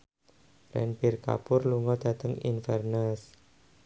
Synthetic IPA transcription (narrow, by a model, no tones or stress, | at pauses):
rɛ̰npirka̰pʊrluŋɔd̪̥ä̤t̪əŋḭnfɛrnas